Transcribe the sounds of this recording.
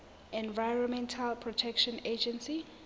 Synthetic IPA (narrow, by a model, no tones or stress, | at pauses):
ɛ̃nvajɹɔ̃nmɛ̃ntʰalpʰɹɔtʰɛkʃɔ̃ned͡ʒɛ̃nsi